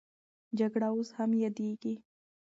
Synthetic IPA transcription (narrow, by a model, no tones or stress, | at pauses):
d͡ʒaɡɽaʊshamjad̪iɡi